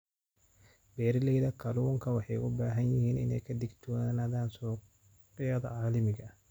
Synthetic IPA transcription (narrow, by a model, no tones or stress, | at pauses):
bɛːɾɪlɛjðɐkʰɐluːŋkʰɐwɑħɑjʔʊbaːɦɐnjɪhiːnɪ̰nɛ̰jkʰɐd̪ɪɡt̪ʰɔɐnaðaːnsɔː | qɪjɐðɐ̰ʕaːlɐmɪɡɐ